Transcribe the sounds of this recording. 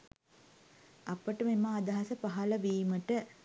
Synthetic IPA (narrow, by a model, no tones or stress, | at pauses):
ɐpəʈəmemaːd̪ɐɦɐsɐpaɦɐlɐʋiːməʈə